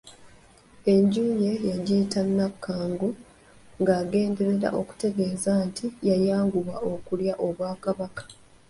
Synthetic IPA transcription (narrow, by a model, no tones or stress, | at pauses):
e̞ɲɟuːje̞jaɟiːtanːakʰːaːŋɡu | ŋɡaːɡe̞ːnde̞ɾe̞ɾa̰ʔo̞ku̥te̞ɡe̞ːzaːntʰijajaːŋɡuβwaʔo̞kuljaʔo̞βwaːkaβakḁ